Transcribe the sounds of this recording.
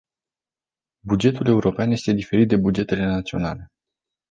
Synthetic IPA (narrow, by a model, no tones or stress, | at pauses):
bud͡ʒe̞t̪ule̞uɾo̞peanje̞st̪e̞d̪ife̞ɾit̪̚d̪e̞bud͡ʒe̞t̪e̞le̞nat̪sio̞̰na̰le̞